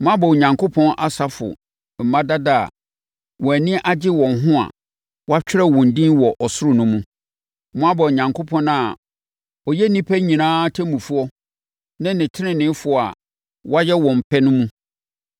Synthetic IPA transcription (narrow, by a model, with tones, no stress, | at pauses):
mʊ̃˦a˦bɔ˨ɲã˨ŋkʰo˦pʰɔ̃˦nʔa˨sa˦fʊ̰˨ | m̩˨mã˦da˦da̰˦˨ | wɔ̃˨æ˨nĩ˦ʔa˦d͡ʑɪ˦wɔ̃˨nɦʊ̃˦a̰˨ | wa˦t͡ɕᶣɪ˦ɾɛ˦wɔ̃˨n˨dĩ˦nwɔ˨ʔɔ˨sʊ˦ɾʊ˦nʊ̃˦mũ˦ | mʊ̃˦a˦bɔ˨ɲã˨ŋkʰo˦pʰɔ̃˦na˨ | ɔ˨jɛ˦nĩ˦pʰæ˦ɲĩ˨nãː˦tʰæ˦mũ˨fu˦ɔ˦ | nã˦nɪ̃˨tʰɪ˦nɪ̃˦nɪ̃˨˦fʊ˨a̰˨ | wa˦jɛ˦wɔ̃˨m̩˨pʰɛ˦nʊ̃˦mũ˦